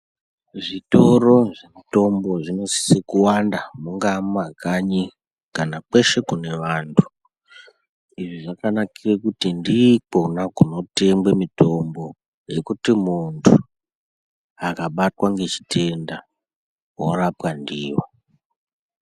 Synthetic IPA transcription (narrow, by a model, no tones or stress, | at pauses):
ʐito̞ɾo̞ʐeto̞mbo̞ʐino̞si̥sekuwandamuŋɡamuakaɲi | kanak͡pe̞ʃe̞kune̞ʋaːntʰu̥ | iʐiʐakanakirekutindikonakuno̞te̞mbwemito̞mbo̞ | je̞kutimuntʰu | akaɓatwaŋɡe̞t͡ʃi̥tʰe̞nda | worapandiːwo